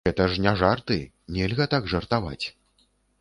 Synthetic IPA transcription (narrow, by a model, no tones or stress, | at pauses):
ɛt̪ɐʂnʲɛʐart̪ɨ | nʲɛlʲɣɐt̪aɡʐɐrt̪ava̰t͡sʲ